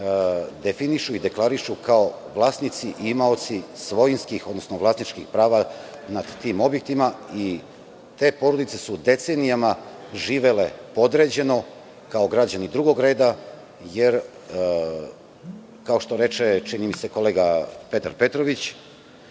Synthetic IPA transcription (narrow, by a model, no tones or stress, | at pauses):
d̪e̞finiʃuid̪e̞klˠaɾiʃukao̞ | ʋlˠaːsnit̪siʔimao̞t̪sisʋo̞jinskixod̪nosnoʋlaːsnit͡ʃkixpɾaːʋa | nad̪t̪iːmo̞bje̞k̚t̪imai | t̪e̞ːpo̞ɾod̪it̪se̞sud̪e̞t̪se̞nijama | ʒiːʋe̞le̞po̞d̪ɾe̞d͡ʑe̞no̞ | kao̞ɡɾad͡ʑanid̪ɾuɡo̞ɡɾeːd̪a | je̞ɾ | kao̞ʃt̪o̞ɾe̞t͡ʃet͡ʃinimise̞koleːɡape̞t̪a̰ɾpe̞t̪ɾo̞ʋit͡ɕ